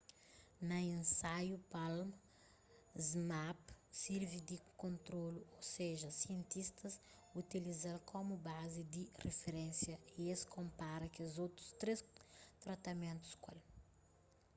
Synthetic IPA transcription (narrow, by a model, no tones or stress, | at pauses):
nɐẽnsajupalmɐ | zmapsiɾvid̪ikõnt̪ɾoluoseʒɐsiẽnt̪ist̪ɐs | ut̪ilizalkʰomubazid̪irefeɾɛ̃nsjɐieskõmpaɾɐkezot̪ɾu̥st̪ɾest̪ɾɐt̪ɐmẽnt̪u̥skwa̰l